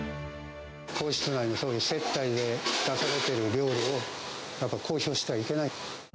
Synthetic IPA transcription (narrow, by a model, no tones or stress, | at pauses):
kʰo̞ːɕi̥t͡sɨnainoso̞ːɯse̞t̪ːaid̪e̞d̪̥asaɾe̞t̪e̞ɾɯ̟ɾʲo̞ːɾɯo | japːaikʰo̞ːço̞ːɕi̥t̪e̞βaike̞nai